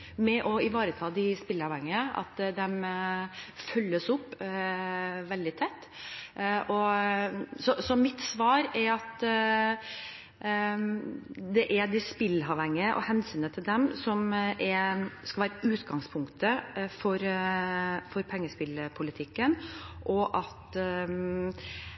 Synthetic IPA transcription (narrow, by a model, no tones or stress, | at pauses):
mɛʔɔɪʋɑːɾət̪ʰɑːd̪ɪspɪlːɑʋhɛŋːɪəʔɑ̰t̪d̪ɛm | fœlːəsʊpː | ʋɛld̪ɪt̪ʰɛt̪ː | ʔɔ | sɔsɔmɪt̪sʋɑːɾɛɾɑt̪ | d̪ɛʔɛd̪ɪspɪlːɑʋhɛŋːəʔɔ̰hɛnsyːnət̪ʰɪld̪ɛmsɔmʔɛɾskɑlʋæːɾəʉːt̪ɡɑŋspʰʊŋkt̪əfɔɾ | fɔɾpʰɛŋːəspɪləpʰʊlɪt̪ʰɪkːənʔɔʔɑt̪